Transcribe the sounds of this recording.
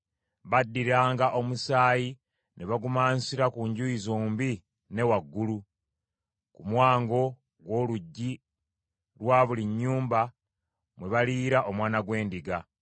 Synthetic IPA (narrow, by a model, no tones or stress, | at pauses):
βadːiɾaːŋɡaʔo̞musaːji | nʔeβaɡumaːnsiɾakuɲɟuizoːmbi | ne̞waɡːulu | kumwaːŋɡo̞ | ɡwo̞ːluɟːi | ɾwaːβuliɲːuːmba | mwe̞βaliːɾaʔomwaːnaɡwe̞ːndiɡa